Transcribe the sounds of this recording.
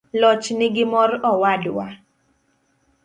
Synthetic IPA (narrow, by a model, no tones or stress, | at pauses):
lɔt͡ʃnɪɡɪmɔrɔwadwa